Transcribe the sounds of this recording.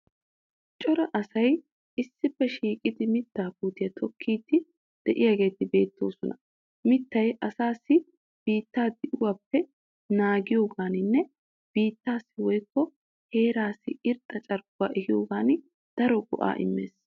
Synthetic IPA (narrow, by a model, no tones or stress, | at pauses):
t͡ʃʼɔɾɐʔɐsɐj | ɪsːɪpːɛʃiːkʼɪd̪ɪmɪt̪ːaːpuːt̪ɪjɐt̪ʰɔkʰːiːt̪ːɪ | d̪̥ɛʔɪjaːɡe̞ːt̪ɪbe̞ːt̪ːo̞̰ːsɔnɐ | mɪt̪ːɐjʔɐsaːsːɪ | b̥iːt̪ːaːd̪ɪʔʊwaːpːɛ | naːɡɪjoːɡaːnɪnːɛ | b̥iːt̪ːaːsːɪwɔjkːɔ | he̞ːɾaːsːɪɪɾt̪ʼːɐt͡ʃʼɐɾɡʊwa̰ːʔɛhɪjoːɡaːn | d̪̥ɐɾɔɡɔ̰ʔa̰ːʔɪ̰mːḛːs